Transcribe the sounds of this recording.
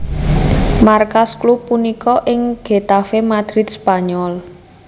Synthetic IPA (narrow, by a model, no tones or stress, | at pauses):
markasklupːunikɔʔɪŋɡ̥e̤t̪afemad̪̥ɾɪt̪̚spaɲɔl